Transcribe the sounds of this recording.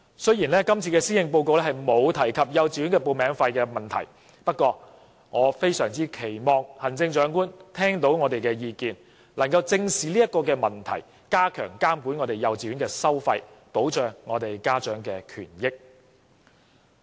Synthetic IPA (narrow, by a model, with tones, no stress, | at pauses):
sɵ˥ɥjiː˨˩nlɛː˥kɐ˥mt͡sʰiː˧kɛː˧siː˥jɪ˨˧ŋpo˧wko˨˧wlɛ˥hɐ˨jmo˨˧wt̪ʰɐ˨˩jkʰɐ˨p̚jɐ˨wt͡siː˨jy˨˥nkɛː˧po˨wmɛː˨˧ŋfɐ˧jkɛː˧mɐ˨nt̪ʰɐ̰˨˩j | pɐ˥t̚kʷːɔː˧ | ŋɔː˨˧fe˥jsœː˨˩ŋt͡siː˥kʰe˨˩jmɔː˨ŋ̚hɐ˨˩nt͡sɪ˧ŋt͡ʃœː˨˥ŋkuː˥nt̪ʰɛː˥ŋt̪o˨˥wŋɔː˨˧t̪e˨jkɛː˧jiː˧kiː˨n | lɐ˨˩ŋkɐ˧wt͡sɪ˧ŋsiː˨liː˥jɐ˥t̚kɔː˧kɛː˧mɐ˨˩nt̪ʰɐ̰˨˩j | kaː˥kʰœ̰ː˨˩ŋkaː˥mku˨˥nŋɔː˨˧t̪e˨˩jɐ˨˧wt͡siː˨ɥy˨˥ŋkɛː˧sɐ˥wfɐ˧jpo˨˥wt͡ʃœː˨ŋːɔː˨˧t̪e˨jkaː˥t͡ʃœː˨˥ŋkɛː˧kʰy̰ː˨˩njɪ˥k̚